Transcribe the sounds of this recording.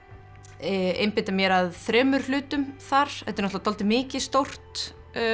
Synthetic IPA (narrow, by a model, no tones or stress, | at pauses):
ejmpɪːt̪amjɛɾaðθɾɛːmʏɾ̥lʏːt̪ʏmθaɾ̥ɛt̪ɪɾnɔtlat̪ʰɔlt̪ɪmɪːcɪst̪owr̥t̪